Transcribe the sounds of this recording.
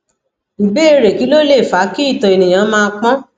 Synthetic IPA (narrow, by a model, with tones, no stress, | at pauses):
i˨be˦e˦ɾe˨ki˨˦lo˦le˦˨fa˨˦ki˦i˦˨tɔ˨e˨nĩ˨j̃ã˨˦mãː˧k͡pɔ̃˦